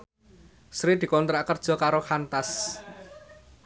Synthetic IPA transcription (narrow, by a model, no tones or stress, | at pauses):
sɾid̪̥i̤kɔnt̪ɾaʔkərd̥ʒ̥ɔ̤kaɾoxant̪as